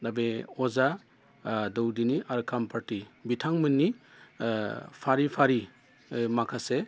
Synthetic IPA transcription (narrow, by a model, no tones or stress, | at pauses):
dabeɔza | dowdiniʔaɾkʰampʰaɾtibitʰaŋmɯnːi | pʰaɾipʰaɾi | makʰase